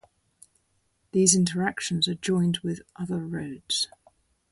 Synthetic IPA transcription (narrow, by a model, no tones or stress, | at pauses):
ðiːzɪ̃ntəɹakʃə̃nzəd͡ʒɔ̃ɪ̃ndwɪðʔʌðəɹəʊdz̥